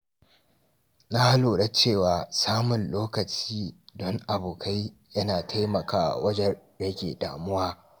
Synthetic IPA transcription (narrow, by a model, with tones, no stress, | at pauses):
na˦ha˦loː˨ɽɐ˦t͡ʃeː˦˨waː˨saː˦mʊ˨nloː˦kɐ˨t͡ʃiː˦dɔ˦ŋʔa˨boː˨kʰa˦jjɐ˦naː˨tʰa˦jmɐ˨ka̰ː˨wɐ˦d͡ʒɐ˦rjɐ˦kʲḛː˨da̰ː˨mʊ˦waː˦